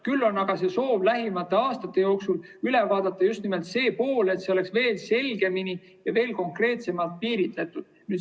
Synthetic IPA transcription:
kylːo̞nːɑɡ̥ɑse̞so̞ːb̥læɦimɑt̪ːˑe̞ɑːst̪ɑt̪ːˑe̞jo̞ːksul | yle̞vɑːd̪̥ɑt̪ːˑɑjust̪nimelt̪se̞ːpo̞ːle̞t̪seo̞le̞ksve̞ːlse̞lɡ̥e̞mini | jɑve̞ːlko̞ŋkre̞ːt̪se̞mɑlt̪̚piːɾit̪let̪ːˑud̪̥nyː

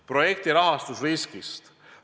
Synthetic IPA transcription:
pro̞je̞k̚t̪iɾɑɦɑst̪usviskist̪

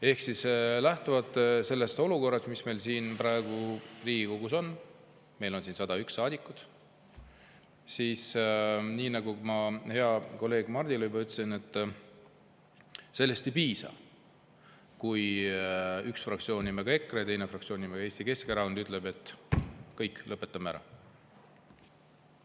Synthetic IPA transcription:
e̞hksislæht̪uvɑt̪ːˑse̞lːe̞st̪o̞luko̞rːɑst̪misme̞jlsiːnpɾɑe̞ɡ̥uriːɡ̥iko̞ɡ̥uso̞n | me̞jlo̞nsiːnsɑd̪̥ɑyksːɑːd̪̥ʲikːˑut̪ | siːsniːnɑɡ̥umɑhe̞ɑko̞lːe̞ːɡ̥mɑrd̪ilejbɑyt̪ːˑesine̞t̪ːˑ | se̞lːe̞st̪ejpiːsɑ̰ | kuj | yksfrɑk̚t̪sio̞ːnʲːimeɡ̥ɑe̞kːˑɾɑjɑt̪ejnefrɑk̚tsio̞ːnʲːimeɡ̥ɑeːst̪ike̞skeɾɑonyt̪ːˑle̞be̞t̪ːˑkːɤjkːˑlʔɤpːe̞t̪ːˑɑmæɾɑ̰

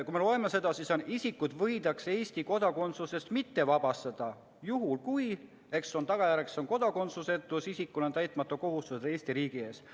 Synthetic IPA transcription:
kuime̞lo̞e̞mese̞d̪̥ɑsisonisʲikːud̪vɤjd̪̥ɑkse̞ːsʲt̪iko̞d̪̥ɑko̞nt̪suse̞st̪mit̪ːe̞vɑb̥ɑst̪ɑd̪̥ɑ | juɦulkuj | e̞ksːo̞nt̪ɑɡ̥ɑjæɾekso̞nko̞d̪̥ɑko̞nsuse̞t̪ːˑusisikːˑulo̞nt̪æjt̪ˑmɑt̪ːˑoko̞ɦust̪used̪e̞ːsʲt̪iɾiːɡ̥ie̞ːs

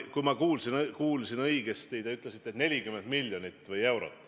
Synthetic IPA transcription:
kujmɑkuːlsinkuːlsinɤiɡ̥est̪id̪̥eyt̪ːˑlesit̪ːˑet̪ne̞lʲikymend̪milʲjonit̪ːˑvɯje̞wɾo̰t̪ːˑ

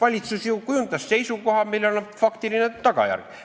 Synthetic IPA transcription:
ɑlʲit̪susjukujunt̪ɑsːe̞jsuko̞ɦɑmilːonofɑkt̪ilinet̪ɑkɑ̰jæ̰rɡ̥

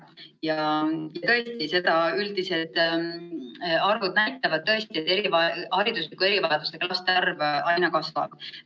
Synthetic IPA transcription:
jɑjɑt̪ɤ̞e̞st̪ise̞d̪̥ɑyld̪ise̞d̪̥ | ɑrvud̪̥̚næjt̪ːˑɑvɑd̪̥̚t̪ːɤ̞est̪ie̞t̪ːˑe̞ɾivɑhɑɾid̪̥uslikːˑue̞ɾivɑled̪ust̪eklɑst̪eɑrvɑjnɑkɑsvɑ̰b̥

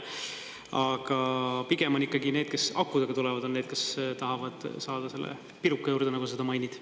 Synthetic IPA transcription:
ɑɡ̥ɑpiɡ̥emonikːɑɡineːd̪̥̚ke̞sɑ̰kːud̪ɑɡ̥ɑt̪ulɛvɑd̪̥oneːd̪̥ke̞st̪ɑɦɑvɑd̪̥sɑːd̪̥ɑse̞lːḛ | piɾukːˑɑjuːɾd̪̥e̞nɑɡuse̞d̪̥ɑmɑjnʲid̪̥

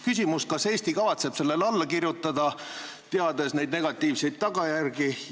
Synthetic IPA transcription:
kys̬ʲimuskɑse̞ːst̪ikɑvɑt̪se̞b̥se̞lːe̞lɑlːɑkirjut̪ːˑɑd̪̥ɑ | t̪eɑd̪e̞sne̞jd̪̚neɡ̥ɑt̪ːˑiːvse̞jt̪̚t̪ːɑɡ̥ɑjærɡi

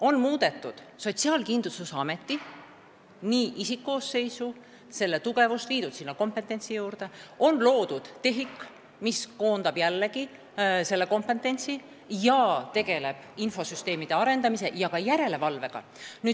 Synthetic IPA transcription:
o̞nmuːd̪̥e̞t̪ːˑud̪̥ | so̞t̪siɑːlkind̪̥lususɑme̞t̪ːi | niːʔisikːo̞ːsːe̞jsu | se̞lːe̞t̪uɡ̥e̞vust̪liːd̪ud̪sinːɑko̞mpe̞t̪ːˑe̞nʲt̪sijuːɾd̪̥e̞o̞nlo̞ːd̪̥ud̪̥t̪ːe̞ɦikːˑ | misko̞ːnd̪ɑb̥jælːeɡi | se̞lːe̞ko̞mpe̞t̪ːˑe̞nʲt̪si | jɑt̪e̞ɡ̥e̞le̞b̥info̞syst̪e̞ːmid̪̥e̞ɑɾe̞nd̪ɑmise̞jɑkɑjæɾe̞le̞vɑlve̞ɡ̥ɑ̰ | ny̥ː

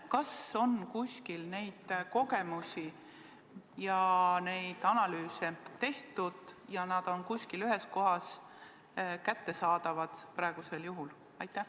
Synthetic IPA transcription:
kɑso̞nkusʲkilne̞jd̪̥ko̞ɡe̞musʲi | jɑne̞jd̪̥ɑnɑlyːset̪e̞ht̪ud̪̥jɑnɑd̪̥o̞nkusʲkilyɦe̞sko̞ɦɑs | kæt̪ːe̞sɑːd̪ɑvɑd̪̥pɾɑe̞ɡ̥use̞ljuɦul | ɑjt̪ːˑæh

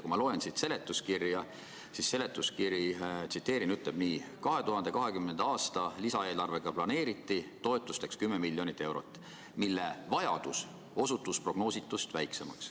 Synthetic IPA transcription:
kumɑlo̞ensit̪se̞le̞t̪ːˑuskirjɑ | sisːe̞le̞t̪ːˑuskiɾit̪sit̪ːˑe̞ːɾinyt̪le̞b̥niːkɑɦe̞t̪uɦɑnd̪̥e̞kɑɦe̞kymnend̪̥ɑːst̪ɑlisɑe̞ːlɑrve̞ɡ̥ɑplɑne̞ːɾit̪ːit̪o̞e̞t̪ːˑust̪e̞kskymːemilːjo̞nit̪ːˑe̞wɾo̞̰t̪ːˑ | milːe̞vɑjɑ̰d̪̥us | o̞sut̪ːˑuspro̞ɡ̥no̞ːsit̪ːˑust̪væjkse̞mɑ̰ks

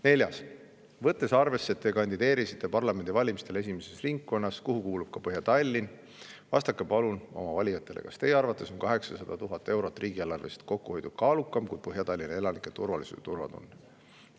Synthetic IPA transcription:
ne̞lʲjɑs | vɤt̪ːˑe̞sɑrve̞sːe̞t̪ːe̞kɑnʲd̪id̪e̞ːɾisit̪ːˑe̞pɑrlɑme̞nd̪ivɑlʲimist̪e̞le̞simese̞sriŋkːo̞nːɑskuɦukuːlub̥kɑpɤɦjɑt̪ɑlʲːin | vɑ̰st̪ɑkːˑepɑluno̞̰mɑvɑlʲijɑt̪ˑːe̞lʔḛkɑ̰st̪e̞jeɑrvɑt̪ːˑe̞so̞nkɑɦe̞ksɑsɑd̪̥ɑt̪uɦɑt̪ːˑe̞wɾo̞t̪ːˑrʔiːɡ̥ielːɑrve̞se̥t̪̚ko̞kːuo̞jd̪ud̥̪̚kɑːlukːˑɑmkuj̥̚pɤɦjɑt̪ɑlʲːinɑe̞lɑnikːˑet̪urvɑlisud̪t̪urvɑ̰d̪̥o̰nː

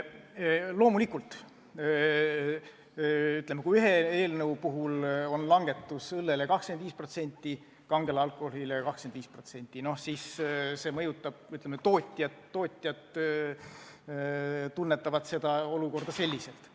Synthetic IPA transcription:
lo̞ːmulikːult̪ˑː | yt̪lemekuiyɦe̞e̞ːlnɤwpuɦulo̞nlɑŋɡ̥e̞t̪ːˑusɯlːe̞lekɑhksked̪viːspro̞t̪se̞nʲt̪ʲːˑi | kɑŋɡ̥elɑlkˑo̞hohilejɑkɑhkskend̪viːspro̞t̪se̞nʲt̪ːˑino̞hsiːsse̞mɤ̞jut̪ːˑɑb̥̚yt̪lemːet̪o̞ːt̪ʲːˑjɑt̪ːo̞ːt̪ʲːˑjɑt̪ | t̪unːe̞t̪ːˑɑvɑt̪se̞d̪ɑo̞luko̞rd̪̥ɑse̞lʲːise̞lt̪

